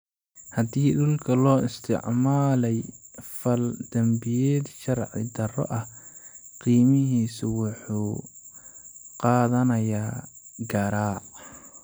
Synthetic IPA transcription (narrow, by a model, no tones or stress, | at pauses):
hɐd̪iːɗʊlkʰɐlɔːʔɪst̪ʰɪ̰ʕmaːlɛjfɐld̪ɐmbɪjɛːd̪ʃɐrʕɪ̰d̪ɐrɔ̰ʔɐhqiːmɪɦiːsʊwʊħuː | qɑːðɐnɐjaːɡɐɾaːʕ